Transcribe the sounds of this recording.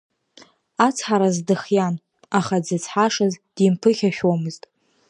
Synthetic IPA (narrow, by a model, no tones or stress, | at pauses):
at͡sʰħaɾazdɨχjan | aχad͡zɨt͡sʰħaʂazd̥impʰɨχʲaʃʲᶣomɨztʼ